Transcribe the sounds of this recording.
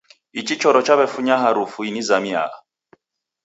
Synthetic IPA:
it͡ʃit͡ʃɔɾɔt͡ʃaβɛfuɲaɦaɾufuinizamia̰a̰

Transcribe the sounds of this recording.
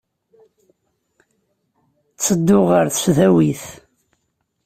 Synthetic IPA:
t͡sːəd̪ːʊʁəɾθsðæwiθ

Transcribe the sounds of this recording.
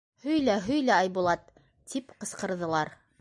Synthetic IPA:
hɵ̆jlæɦɵjlæɑjβulˠɑt̪ː | ipqɤ̆sqɤ̆ɾðɤ̆lˠɑɾ

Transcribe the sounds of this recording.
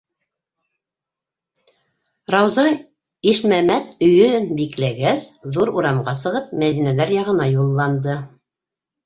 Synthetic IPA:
ɾɑwzɑ | iʃmæmæt̪ɵ̆jɵnbiklæɡæsðuɾuɾɑmʁɑsɤ̆ʁɤp̚mæðinælæɾjɑʁɤ̆nɑjulˠːɑnd̪ɤ

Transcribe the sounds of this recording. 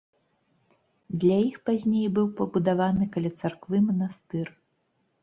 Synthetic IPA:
d̪lʲajixpazʲnʲejbɨwpɐbud̪avanɨkɐlʲat̪sarkvɨmɐnast̪ɨr

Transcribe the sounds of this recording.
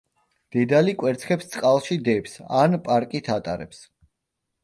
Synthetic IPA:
d̪̥ɛd̪alikʼwɛɾt̪sʰχʰɛpst̪sʼqʼalˠʃid̪ɛpsanpʼaɾkʼit̪ʰat̪ʼa̰ɾɛ̰ps

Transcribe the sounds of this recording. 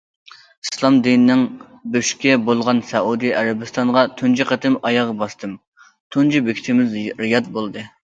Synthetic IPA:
islˠɑmd̪inɪnɪŋ | bøʃkʲɛbolˠʁɑnsɛud̪ijæɾæbɪst̪ɑɴʁɑt̪ʰund͡ʒiqɑt̪ʰɪmɑjɑʁɑbɑst̪ɨm | t̪ʰund͡ʒibekʲi̥t̪ʰɪmɪzɾɪjɑt̪̚bolˠd̪ɨ

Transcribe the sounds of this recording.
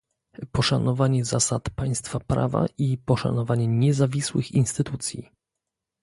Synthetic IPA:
pɔʂanɔvaɲɛzasat̪paj̃st̪fapɾa̰va̰ʔipɔʂa̰nɔvaɲɛɲɛzavʲiswɘ̰xinst̪ɘt̪ut̪sʲjḭ

